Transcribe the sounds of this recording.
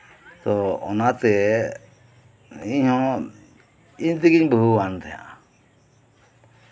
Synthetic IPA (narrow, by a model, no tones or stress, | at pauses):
t̪ɔɔ̰nat̪ɛ | iɲɦɔ̃ | iɲt̪iɡiɲbəɦuwant̪ʰɛjã̰ʔ